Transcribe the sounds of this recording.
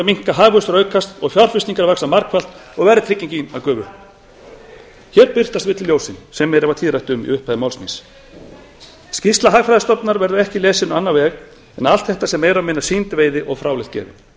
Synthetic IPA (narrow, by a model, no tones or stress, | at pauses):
miŋ̥kaɦaːɣvʏst̪ɾœɥkʰast̪ɔɣfjawɾ̥fɪsiŋkaɾvaxsamaɾkfal̥t̪ɔɣvɛɾðɪt̪ʰɾɪcːiɲcinakœːvʏ | çɛːɾpɪr̥t̪ast̪vɪt̪lljowsɪnsɛmːɛɾɪvat̪ʰiːðɾajht̪ʏmḭʏhpʰajðɪmawlsmḭns | scɪst̪laɦaːɣfɾajðast̪ɔpnaɾvɛɾðʏɛhcɪlɛːsɪnanːavɛːɣ | ɛnal̥t̪θɛht̪asɛmːejɾamɪnasiːnt̪veːjðɪʔɔɣfɾaːwlɪjht̪̚cɛ̰ːvɪ̰